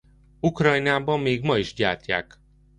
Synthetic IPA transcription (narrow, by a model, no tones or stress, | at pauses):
ukrɒjnaːbɒmːeːɡmɒiʒɟaːrcːa̰ːk